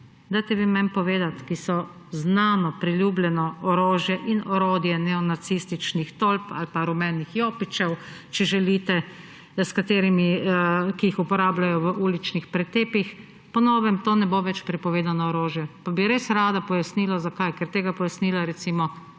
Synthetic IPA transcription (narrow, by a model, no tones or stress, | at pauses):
d̪ajt̪ɛʋimɛmpɔʋeːd̪at̪kisɔ | znaːnɔpɾilʲjublʲɛnɔɔɾoːʒjɛʔinɔɾoːd̪jɛnɛɔnatsist̪it͡ʃnixt̪olpa̰lpaɾumɛnːixjoːpit͡ʃɛw | t͡ʃɛʒɛlit̪ɛ | skat̪eːɾimikiixupɔɾaːblajɔʋəʔuːlit͡ʃnixpɾɛt̪eːpix | pɔnɔːʋɛmt̪oːnɛboʋɛt͡ʃpɾɛpɔʋeːd̪anɔːɾoːʒjɛpabiɾeːsɾaːd̪apɔjasniːlazakajkɛɾt̪eːɡapɔjasniːlaɾɛt̪simɔ